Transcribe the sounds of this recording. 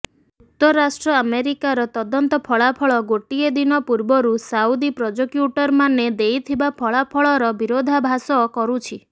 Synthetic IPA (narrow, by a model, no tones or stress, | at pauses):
ut̪ːɔɾasʈɾɔameɾikaɾɔt̪ɔd̪ɔnt̪ɔpʰɔɭapʰɔɭɔɡoʈied̪inɔpuɾbɔɾusawd̪ipɾɔd͡ʒɔkjuʈɔɾmaned̪ejt̪ʰibapʰɔɭapʰɔɭɔɾɔbiɾod̪ʱabʱasɔːkɔɾut͡ʃʰi